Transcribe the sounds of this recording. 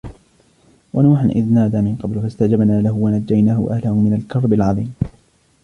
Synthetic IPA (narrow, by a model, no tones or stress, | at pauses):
wʔanuːħanʔɪ̰ðnaːd̪aːmɪnqɑblfast̪ad͡ʒabnaːlahʊwanad͡ʒːajnaːhʊʔahlahʊmɪnalkɑɾˤbɪlʕɑðˤiːm